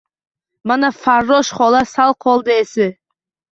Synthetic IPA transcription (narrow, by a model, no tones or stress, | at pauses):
mɑnafarːoʃχolˠɑsɑlˠqʰɔlˠd̪əesɪ